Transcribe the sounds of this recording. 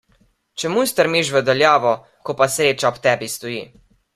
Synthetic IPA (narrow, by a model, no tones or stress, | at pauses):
t͡ʃɛmujst̪əɾmiʃʋəd̪ɐljaːʋɔ | kɔpasɾeːt͡ʃaɔpt̪ɛbist̪ɔjiː